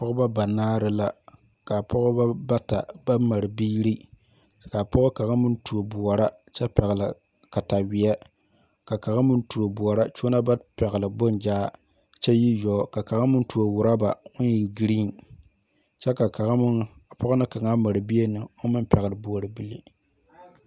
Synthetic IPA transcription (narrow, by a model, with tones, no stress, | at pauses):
pɔ˦kʊ˦ba˦ba˨naː˦ɾɨ˦la˦ | ka˨pʰɔ˦ɣʊ˦ba˦ba˦ta˨ba˦ma˨ɾɨ˨biː˦ɾi˦ | ka˨pɔ˦ʊ˦ka˨ɣa˦mɨ˦n˦tu˨o˨bʊ˨ɔ˨ɾa˦ | t͡ʃɛ˦pɛ˨ɣla˨ | ka˨ta˨wɪ˨ɛ˦ | ka˨ka˨ɣa˦mɨ˦ntu˨o˨bʊ˨ɔ˨ɾa˦t͡ʃo˦na˦ba˦pɛ˨ɣɪ˨lɨ˨bo˦nd͡ʒaː˦ | t͡ʃɛ˦ji˦jɔː˨˦ka˨ka˨ɣa˦mɨ˦n˦tu˨o˨wʊ˨ɾa˦ba˨ʊ˦n˦i˨ɡi˦ɾiː˦˨n | t͡ʃɛ˦ka˨ka˨ɣpɔ˦ɣʊ˦nɨ˦ka˨ŋa˦ma˨ɾɨ˨bi˦e˦nɨ˨o˦mɨ˦mpɛ˨ɣlɨ˨bʊ˨ɔ˨ɾɨ˨bi˦lḭ˦